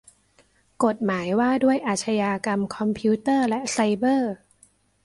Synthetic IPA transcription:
ko˨˩t̪̚maː˩˦jwaː˥˩du˥˩əjʔaː˨˩t͡ɕʰa˧jaː˧ka˧mkʰɔ˧mpʰi˦˥t̪ɤː˥˩lɛ˦˥sa˧jbɤː˥˩

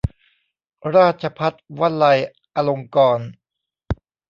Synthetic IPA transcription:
ɾaː˥˩t̪̚t͡ɕʰa˧pʰa˦˥t̪̚wa˥˩nla˧j | ʔa˧lo˧ŋkɔː˧n

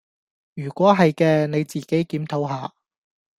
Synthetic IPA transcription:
jyː˨˩kʷɔː˨˥ɦɐ˨jkɛː˧ne˨˧jt͡siː˨ke˨˥jkiː˨˥mt̪ʰo˨˥wɦaː˨˧

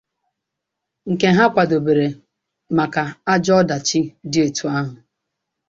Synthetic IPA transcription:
ŋ̩˨ke˨ɦa˦kʷa˨do˨be˨ɾe˨ | ma˨ka˨a˦d͡ʒɔ˦da˨t͡ʃɪ˦dɪ˦e˨tu˦a˦ɦʊ˨

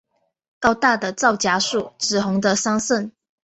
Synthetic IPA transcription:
kɑ˥ʊt̪a˥˩d̪ə˨˩t͡sɑ˥˨ʊt͡ɕja˥ʂu˥˩ʈ͡ʂɻ̩˨˩ɦʊ˧˥ŋd̪ə˧sɑ˥ŋsə˥˨n

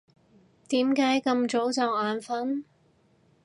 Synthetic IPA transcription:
t̪iː˨˥mkaː˨˥jkɐ˧mt͡so˨˥wt͡sɐ˨˧waː˨˧nfɐ˥n

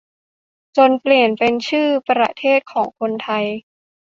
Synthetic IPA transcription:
t͡ɕo˧npli˨˩ənpe˧nt͡ɕʰɯː˥˩pa˧ɾa̰˧˩t̪ʰeː˥˩t̪̚kʰɔː˩˦ŋkʰo˧nt̪ʰa˧j

